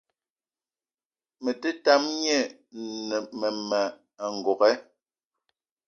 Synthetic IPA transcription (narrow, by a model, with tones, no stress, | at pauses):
mɛ˨te˦ta˦mɲe˦˨ | nɛ˨mɛ˨mɛ˨ | ŋ̩˨ɡɔ˨kɛ˦